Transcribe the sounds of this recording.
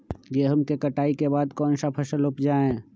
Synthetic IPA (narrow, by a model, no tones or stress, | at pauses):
jeɦəmkekəʈaːikebaːd̪kɔːnsapʰəsəlʊpd͡ʒaːẽ